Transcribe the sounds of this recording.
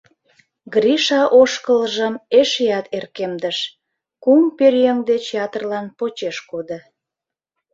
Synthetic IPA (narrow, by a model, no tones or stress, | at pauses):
ɡriʃɑʔoʃkələʒəmeʃjɑt̪erkemd̪əʃ | kumperjeŋd̪et͡ɕjɑt̪ərlɑnpot͡ɕeʃkod̪ə